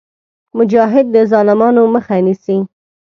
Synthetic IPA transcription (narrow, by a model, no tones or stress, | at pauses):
mʊd͡ʒɑɦɪd̪̚ːəzɑlɪmɑnoməxanisi